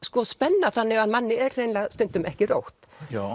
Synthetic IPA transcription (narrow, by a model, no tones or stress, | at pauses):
skɔspɛnːaθanːɪɣaðmanːɪɛɾr̥ejnlast̪ʏnt̪ʏmɛhcɪro̰wht̪a